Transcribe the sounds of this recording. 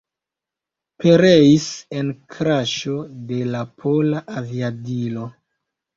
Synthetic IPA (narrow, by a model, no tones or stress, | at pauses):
pe̞ɾeise̞nkʰɾaʃode̞lapʰolaʔaviadilo̞